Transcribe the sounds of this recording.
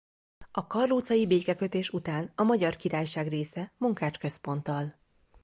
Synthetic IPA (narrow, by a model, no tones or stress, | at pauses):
ɒkɒrluːt̪sɒjibeːkɛkø̞t̪eːʃut̪aːnɒmɒɟɒrkiɾaːjʃaːɡreːsɛmuŋkaːt͡ʃkø̞spo̞nt̪ɒl